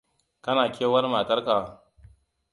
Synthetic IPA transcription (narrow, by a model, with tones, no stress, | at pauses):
kɐ˦naː˨kʰʲeː˦wɐ˦rmaː˨tɐ˦rkaː˨